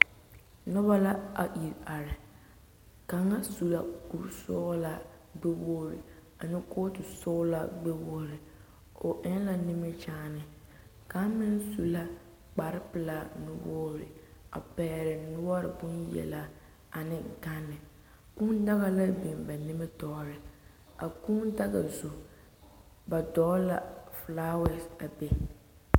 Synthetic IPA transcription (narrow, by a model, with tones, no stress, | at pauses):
nʊ˦βa˦la˦a̰˨ʔi˨ɾa˨ɾɪ˨ | ka˨ŋa˦su˨la̰˦ku˨sɔː˦la˦ | ɡ͡be˦boː˦ɾɪ̰˨ | a˨nɪ˦koː˦tɪ˨sɔː˦la˦ɡ͡be˦bo˦ɾɪ˨ | o˨ʔɛ˦n˦la˦nɪ˦mɛ˦t͡ʃaː˦nɪ˨ | ka˨˦mɪ˦n˦su˨la˦ | k͡pa˨ɾɪ˦pɪ˨la˨nʊ˦woː˦ɾɪ̰˨a̰˨pɛː˨˦˨ɾɪ˨nʊ˦ɔ˦ɾɪ̰˨bʊ˦njɛ̰˨la˦ | a˨nɪ˦ɡa˦nːɪ˨ | ku˦n˦da˦ɣa˦la˦bi˨mba˨nɪ˦mɛ˦tɔː˦ɾɪ˨ | a̰˨ku˦nda˦ɣa̰˨zo˨ | ba˨dɔː˨˦la̰˨flaː˦wɛ˨sa˨be˦